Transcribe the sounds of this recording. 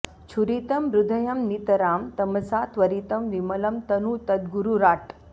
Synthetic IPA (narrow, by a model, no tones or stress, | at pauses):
t͡ʃʰuɾit̪ɐmɾud̪ʱɐjɐmnit̪ɐɾaːmt̪ɐmɐsaːt̪ʋɐɾiːt̪ɐmʋimɐlɐmt̪ɐnuːt̪ɐd̪ɡuɾuɾaːʈ